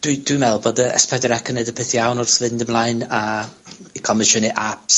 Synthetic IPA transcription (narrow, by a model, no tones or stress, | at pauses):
d̥wid̥wimɛlˠbɔdəə̰spʰɛdəɾɛkʰənədəpʰɪθjawnɔrsvɪndəmlˠajna | ikʰɔmɪʃəniʔaps